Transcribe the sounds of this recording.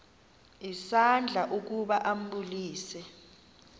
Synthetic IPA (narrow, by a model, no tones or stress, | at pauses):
isand͡ɮʱaʔuk̬uɓaʔam̩ɓuliːsɛ